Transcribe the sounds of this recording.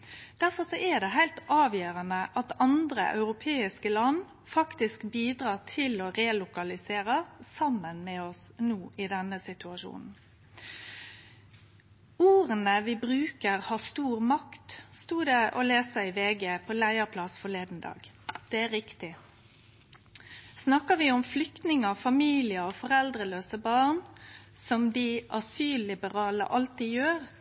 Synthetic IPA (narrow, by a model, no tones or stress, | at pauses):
d̪̥æɾfɔsɔʔæd̪ɛɦæɪlt̪ɑːʋjøːɾənəʔɑt̪ɑnd̪ɾə̰ʔɑ̰ʉɾʊpʰeːɪskəlɑn | fɑkt̪ɪskbiːd̪ɾɑːt̪ʰɪlɔɾɛlʊkɑlɪseːɾəsɑmːənmɛɔsnuːʔɪd̪ɛnəsɪt̪ʉɑʂṵːnn̩ | uːʁənəʋɪbʁʉːkəʁhɑst̪uːʁmɑkt̪st̪uːd̪ɛʔɔleːsəɪʋeːɡeːpʰɔlæɪəʁpʰlɑsfɔleːd̪n̩d̪ɑ̰ːɡ | d̪̥ɛæɾɪkt̪ɪ | snɑkəʋɪɔmflʏkt̪nɪŋɑfɑmiːlɪəɔfɔʁɛld̪ʁəløːsəbɑːnsɔmd̪ɪʔɑsyːlːɪbəʁɑːlə̰ʔɑlt̪iːjøːɾ